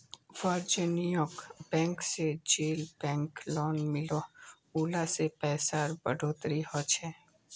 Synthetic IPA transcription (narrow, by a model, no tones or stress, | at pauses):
ʋaːɾd͡ʒɪnijokbɛ̃ːŋksed͡ʒeːlbɛ̃ːŋklɔːnmɪlo | uːlasepɛːsaːɾbə̰ɖʱoːt̪ɾiɦot͡ʃʰɛː